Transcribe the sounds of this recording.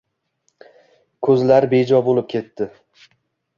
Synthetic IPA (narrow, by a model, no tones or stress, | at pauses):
kʰɵzlaɾbe̞d͡ʒɒbolˠɪp̚kʲʰe̞t̪ːɪ